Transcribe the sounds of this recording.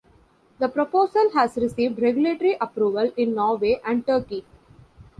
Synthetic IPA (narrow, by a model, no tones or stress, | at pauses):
d̪əpɾopoːsəlɦæːzɾɪsiːʋɖɾeɡjʊleːʈəɾiʔɐpɾuːʋəlɪ̃nːɔːɾʋeːʔæ̃ɳɖ̚ʈəːɾki